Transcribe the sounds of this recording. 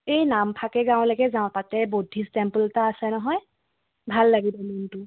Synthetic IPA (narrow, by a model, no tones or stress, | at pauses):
ejnampʰakɛɡãw̃laɡɛzaʊ̃tatɛbodʱistɛmpəltaːsɛnɔɦɔj | bʱalːaɡibɔmuntʊ